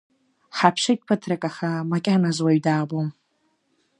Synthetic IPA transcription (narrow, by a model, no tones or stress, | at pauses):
ħapʰʃajt̚ʼpʰɨtʰrakʼaχamakʲʼanazwaɥdaːbom